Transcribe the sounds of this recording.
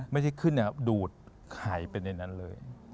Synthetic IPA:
ma˥˩jt͡ɕʰa˥˩jkʰɯ˥˩nːi˧˩duː˨˩t̪̚ | kʰaː˩˦jpe˧nːa˧jna˦˥nlɤ̰ː˧j

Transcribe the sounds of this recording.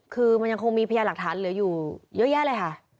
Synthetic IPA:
kʰɯː˧ma˧nja˧ŋkʰo˧ŋmiː˧pʰa˧jaː˧la˨˩k̚t̪ʰaː˩˦nlɯ˨˩˦juː˨˩jɤ˦˥jɛː˥˨lɤ˧jkʰa˥˩ʔ

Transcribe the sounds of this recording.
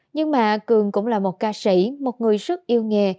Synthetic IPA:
ɲɨ˧ŋmaː˨˩kɨ˨˩əŋkʊ̰˧˥ŋ͡mlaː˨˩mo˨˩t̚kaː˧si˧˩mo˨˩t̚ŋɨ˨˩əjzə˦˥t̚ʔi˧əwŋe˨˩

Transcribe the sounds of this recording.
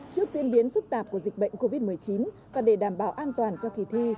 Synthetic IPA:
t͡ɕɨ˦˥ək̚zi˧ənɓi˨˦ənfɨ˦˥k̚t̪aː˨˩p̚ku˧˩əzi˨˩k̚ɓə̰˧˨jŋ̟ko˧vi˦˥t̚mɨ˨˩əjt͡ɕi˨˦n | vaː˨˩ɗe˧˩ɗaː˧˩mɓaː˧˩wʔaː˧nt̪waː˨˩nt͡ɕɔ˧ki˧˩t̪ʰi˧

